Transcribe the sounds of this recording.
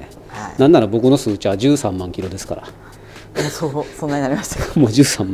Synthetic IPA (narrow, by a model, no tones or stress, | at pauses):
anãnːaɾabo̞kɯ̟no̞sɨːt͡ɕiβad͡ʑɨːsãmːãŋkʲiɾo̞d̪e̞sɨ̥ka̰ɾa̰ | sosõnːaɲinaɾʲimaɕt̪ḁmoːd͡ʑɨːsãmː